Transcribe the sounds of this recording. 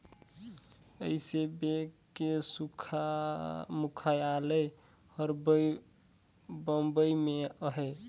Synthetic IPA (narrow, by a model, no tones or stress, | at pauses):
ə̰ɪsebe | kːesukʰa | mukʰajalə | həɾbəj | bəmbəimeəɦɛ